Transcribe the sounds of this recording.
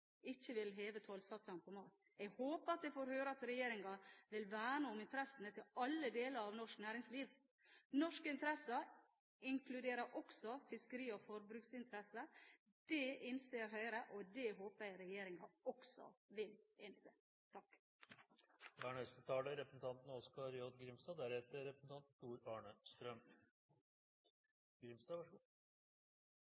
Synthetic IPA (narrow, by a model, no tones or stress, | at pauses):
ɪçːəʋɪlɦeːʋət̪ʰoːlsɑt̪sɑmpʰɔmɑːt̪ | ɛɡhoːpəɾɑt̪̚d̪ɛfoːɾhøːɾəɑt̪ɾɛjeːɾɪŋɑʋɪlʋæːɳəʊmɪnt̪ʰəɾɛsənət̪ʰɪlɑlːəd̪eːləɾɑʋnɔʂknæːɾɪŋsliːʋ | nɔʂkɪnt̪əɾɛsə | ɪŋkʰlʉd̪eːɾəɾʔɔksɔfɪskəɾiːɔfɔɾbɾʉːksɪnt̪ʰəɾɛsə | d̪̥ɛɪnseːɾɦœʏɾəʔod̪ɛɦoːpəɾɛjeːɾɪŋɑɔksɔ̰ʋɪlɪnsḛ | t̪ʰɑk | d̪æɳɛst̪ət̪ʰɑːləɾɛpɾəsn̩t̪ʰɑnt̪nɔskɑɾjɔd̪ɡɾɪmst̪ɑːd̪æɾheːt̪əɾɛpəsn̩t̪ɑnt̪t̪ːuːɾɑːɳəst̪ɾœm | ɡ̥ɾɪmst̪ɑːʋɑʂ